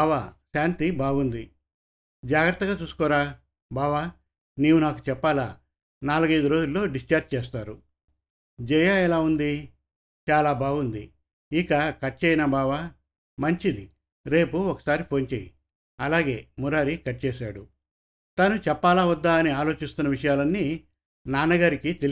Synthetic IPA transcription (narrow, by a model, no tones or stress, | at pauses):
aʋaʃaːnt̪ibaːɡund̪i | d͡ʒaːɡɾɐt̪ːɐɡaːt͡ʃuːsu̥kɔːɾaː | baːʋaː | niːwunaːku̥t͡ʃɛpːaːla̰ː | naːluɡɐjd̪uɾo̞ːd͡ʒulːo̞ːɖist͡ʃaɾt͡ʃt͡ʃeːs̬t̪aːɾu | d͡ʒɛjaːɛlaːund̪i | t͡ʃaːlaːbaːɡund̪ḭ | ikɐkɐʈ̚ːt͡ʃɛːjnaːbaːʋaː | mɐɲt͡ʃid̪i | ɾe̞ːpuɔkɐ̥saːɾipʰo̞ːnt͡ʃeːjḭ | ɐlaːɡe̞ːmuɾaːɾikɐʈ̚ːt͡ʃeːʃa̰ːɽu | t̪ɐnut͡ʃɛpːaːlaːud̪ːaːɐniaːlo̞ːt͡ʃist̪unːɐʋiʂɐjaːlɐnːi | naːnɐɡaːɾikit̪el